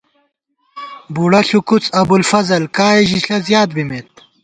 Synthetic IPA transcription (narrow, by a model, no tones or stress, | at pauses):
buɽɐɬukut͡sɐbulfɐzɐlkaːeʑiɬɐzjaːt̪̚bimeːt̪̚